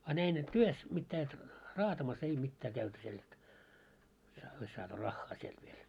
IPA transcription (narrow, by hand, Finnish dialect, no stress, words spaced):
ɑ næin et tyøs mitːæː et rɑːtɑmɑs ei mitːæː kæyty siel et jɑ ois sɑːtu rɑxːɑː sielt ʋiel